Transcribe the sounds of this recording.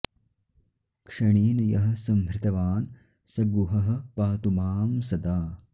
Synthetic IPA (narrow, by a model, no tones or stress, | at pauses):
kʂɐɳiːnɐjɐɦɐ̆sɐmbɾɪt̪ɐʋaːn | sɐɡuɦɐɦɐ̆paːt̪umaːmsɐd̪aː